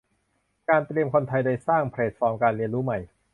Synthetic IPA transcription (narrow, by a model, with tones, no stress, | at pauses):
kaː˧nt̪ɾi˧əmkʰo˧nt̪ʰa˧jda˥˩jsaː˥˩ŋpʰɾeː˨˩t̪̚fɔː˧mkaː˧nli˧ənɾuː˦˥ma˨˩j